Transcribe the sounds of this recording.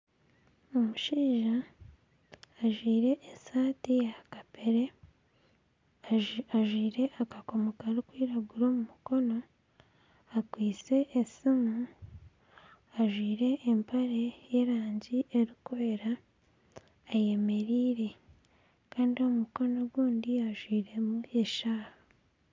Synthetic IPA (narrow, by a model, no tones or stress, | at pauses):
omuʃiːʒa | ʒwiːɾe̞ʔːsaːtijakapeɾe̞ | aʒwiːɾe̞ʔakako̞mokaɾikwiːɾaɡuɾo̞ːmumuko̞no̞ | akwiːt͡se̞ʔːsimu | aʒwiːɾe̞ːmpaɾe̞je̞ɾaːɲɟiʔe̞ɾikoeɾa | je̞me̞ɾiːɾe̞ | kaːndio̞muko̞no̞ɡwuːndiaʒwiːɾe̞mue̞ʃaːha